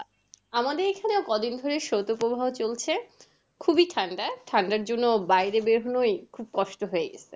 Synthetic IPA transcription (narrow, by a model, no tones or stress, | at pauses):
amad̪eɾekʰaneokɔd̪ind̪ʱoɾeʃowt̪opobʱaɦot͡ɕolt͡ɕʰe | kʰubiʈʰaɳɖaʈʰaɳɖaɾd͡ʑonːobajɾebeɾɦonojkʰub̚kɔʃʈoɦoeɡḛsʰe